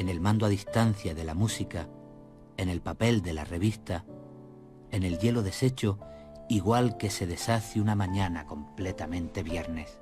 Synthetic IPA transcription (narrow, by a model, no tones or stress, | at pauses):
e̞ne̞lmãnd̪oaðist̪an̟θjaðe̞lamusika | ene̞lpape̞ld̪e̞la̰re̞β̞ist̪a | ene̞lʝe̞lo̞ðe̞se̞t͡ʃo̞ | iɣwalke̞se̞ðe̞saθjunamãɲãnako̞mple̞t̪amẽnt̪e̞βje̞ɾne̞s